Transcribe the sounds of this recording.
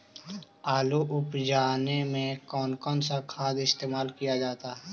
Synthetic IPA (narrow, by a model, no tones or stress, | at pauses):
aːluʔʊpd͡ʒaːnemẽkɔːnkɔːnsakʰaːd̪ɪst̪eːmaːlkijad͡ʒaːt̪aɦɛː